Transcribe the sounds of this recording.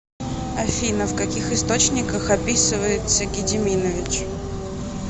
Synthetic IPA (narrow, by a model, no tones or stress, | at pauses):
ɐfʲinəfkɐkʲixɨst̪ot͡ɕnʲɪkəxɐpʲisɨvəjɪt̪səɡʲɪdʲɪmʲinəvʲɪt͡ɕ